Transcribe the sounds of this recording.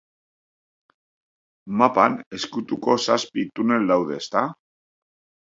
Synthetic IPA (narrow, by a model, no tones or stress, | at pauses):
mapane̞skut̪uko̞saspit̪une̞ld̪awðe̞ːst̪a